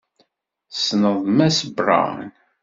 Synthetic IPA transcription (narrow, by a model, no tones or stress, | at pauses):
snəðˤmæsəbrˤɑ̰n